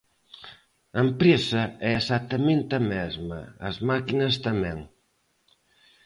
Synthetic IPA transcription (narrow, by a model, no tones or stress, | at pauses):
ɐempɾesɐɛesat̪ɐmẽnt̪ɐmɛzmɐ̰ɐzmakinɐst̪ɐmɛŋ